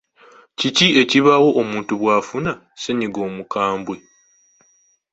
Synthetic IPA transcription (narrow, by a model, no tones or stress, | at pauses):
cicie̞ciβawo̞ʔːmuːntuβwaːfuna | se̞ɲiɡo̞ːmukaːmbwe̞